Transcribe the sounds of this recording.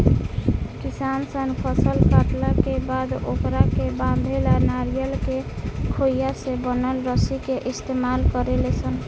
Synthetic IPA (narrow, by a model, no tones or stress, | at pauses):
kisansənpʰəsəlkaʈ̪lakebad̪okɾakebãnd̪ʱelanaɾijəlkekʰoijasebənəlɾəsikeʔist̪emalkəɾelesʰən